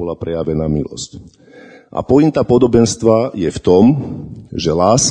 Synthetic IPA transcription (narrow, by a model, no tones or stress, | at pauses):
ɔlapɾɛjaʋɛnaːmḭlɔ̰sc | ʔa̰pɔint̪aːpɔd̪ɔbɛnst̪ʋajɛft̪ɔmʒɛlaːs